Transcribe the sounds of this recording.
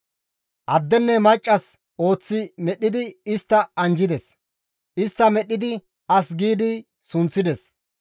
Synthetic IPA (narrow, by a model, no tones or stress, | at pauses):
ʔɐd̪ːɛnːɛmɐjt͡ʃʼːɐs | ʔo̞ːt͡sːɪmɛɗːɪd̪ɪɪst̪ːɐɐnd͡ʒɪd̪ɛs | ʔɪst̪ːɐmɛɗːɪd̪ɪ | ɐsɡiːd̪ɪ | sʊnt͡sːɪd̪ɛs